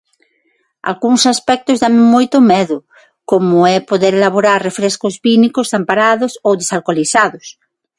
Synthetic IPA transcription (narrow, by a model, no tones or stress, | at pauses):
a̰lɣuŋsaspɛk̚t̪ozðaŋmmojt̪omɛðʊ | komoɛpoðeɾelaβ̞oɾaɾrefɾeskozβinikozðampaɾaðosowðesalkoliθaðos